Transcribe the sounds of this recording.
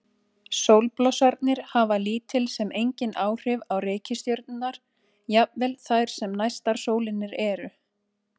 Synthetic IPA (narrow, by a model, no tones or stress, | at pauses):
sowlplɔsaɾt̪nɪɾ̥havaliːt̪ʰɪlsɛmʔejɲcɪnaːwr̥ɪvawreːjcɪst̪jœɾt̪nɪnːaɾ̥ | japvɛlθajɾ̥sɛmnajst̪aɾ̥soːwlɪnːɪɾɛɾʏ